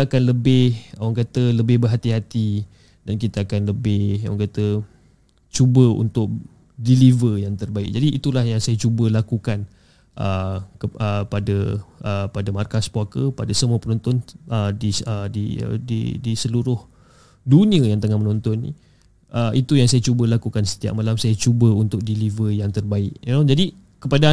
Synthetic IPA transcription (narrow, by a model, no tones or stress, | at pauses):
akanləbɪhawaŋkat̪ələbɪhbərɦat̪iɦat̪i | dankit̪aːkanləbɪhaw̰ŋkat̪ə | t͡ʃubəṵnt̪ʊk̚ | dilivəjaŋt̪ərbaɪk̚d͡ʒadiit̪ulahjaŋsajət͡ʃubəlakukan | ʔə̰kəəpadəəpadəmarkaspoakəpadasəmuapənɔnt̪ɔnədiədḭdḭdisəluɾʊh | dunĩəjaŋt̪əŋahmənɔnt̪ɔnːḭ | ʔəʔit̪ujaŋsajat͡ʃubəlakukansə̥t̪ia̰ʔ̚malamsajat͡ʃubəunt̪ʊk̚dilivəjaŋt̪ərbaɪʔinod͡ʒadi | kəpada